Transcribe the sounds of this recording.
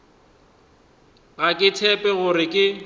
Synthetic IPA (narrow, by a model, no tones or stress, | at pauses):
ɣakʼɪtʰɛpʼɛɣʊɾɪkʼɪ